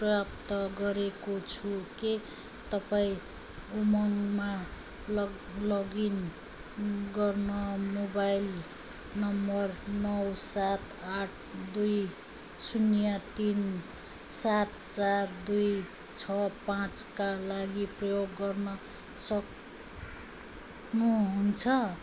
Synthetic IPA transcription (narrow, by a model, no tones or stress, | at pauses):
rʌjapt̪ʌɡʌɾekot͡sʰuke | t̪ʌpaĩ | umʌŋma | l | lʌɡin | ɡʌrnʌmobajl | nʌmbʌrnʌwsat̪aʈʰd̪uj | sunjat̪in | sat̪̚t͡sard̪uj | t͡sʰʌpãt͡skalaɡiprʌjoɡːʌrnʌ | sʌk | nuɦunt͡sʰʌ